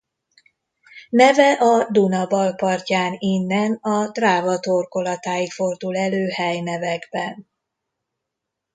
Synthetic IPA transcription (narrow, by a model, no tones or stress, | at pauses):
nɛvɛʔɒd̪unɒbɒlpɒrcaːninːɛnɒt̪raːvɒt̪orko̞lɒt̪aːjikfo̞rd̪ulɛløːhɛjnɛvɛɡbɛn